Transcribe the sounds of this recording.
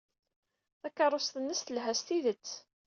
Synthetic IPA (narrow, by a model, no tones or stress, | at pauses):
θækːɑɾˤːost̪ənːəsθəlɦæst̪iðət͡sː